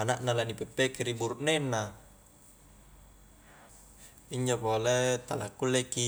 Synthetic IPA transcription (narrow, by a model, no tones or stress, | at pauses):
anaʔnalanipɛpːekeɾibuɾuʔnenːa | iɲd͡ʒopolet̪alakːulːeki